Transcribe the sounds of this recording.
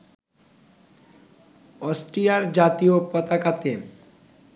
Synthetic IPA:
ɔsʈɾijaɾd͡ʑat̪iopɔt̪akat̪e

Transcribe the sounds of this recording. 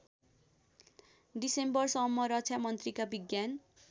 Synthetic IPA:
disembʌrsʌmːʌɾʌt͡sʰjamʌnt̪rikabiɡjan

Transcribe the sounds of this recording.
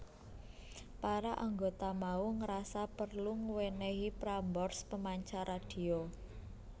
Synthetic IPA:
paɾaʔaŋɡot̪amauŋəɾasapərluŋwenɛɦipɾambɔrspəmaɲt͡ʃaɾad̥i̤o

